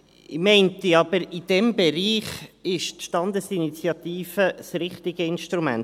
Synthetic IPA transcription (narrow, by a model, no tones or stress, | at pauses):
ɪmɛɪntiɑbəɾid̥ɛmbeɾiːχɪʃtʃtɑnd̪əsinit͡sjɑt̪iːfəsrɪχt̪ɪɡ̥əɪnʃtɾumæ̰nt